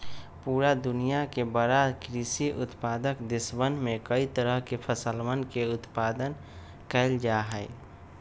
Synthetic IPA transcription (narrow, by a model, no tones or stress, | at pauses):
puːɾad̪ʊnijakebəɾakɾisiʔʊ̰t̪paːd̪əkd̪ɪsbənmẽkəit̪əɾəɦkepʰəsəlmənkeʊt̪paːd̪ən | kɛɪld͡ʒaɦɛɪ